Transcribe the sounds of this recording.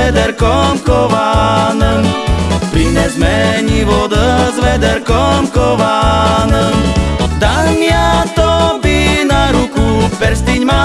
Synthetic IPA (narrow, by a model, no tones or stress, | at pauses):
ɛd̪ɛɾkɔmkɔʋaːnəmpɾiɲɛzmɛɲiʋɔd̪azʋɛd̪ɛɾkɔmkɔʋanəmd̪aɲɪat̪ɔbinaɾukupɛɾst̪iɲma